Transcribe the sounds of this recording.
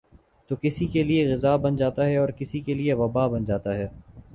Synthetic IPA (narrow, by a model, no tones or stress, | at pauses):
t̪oːkɪsikelieɣɪzaːbɐnd͡ʒaːt̪aɦɛɔːɾkɪsikelieʋɐbaːbɐnd͡ʒaːt̪aɦɛː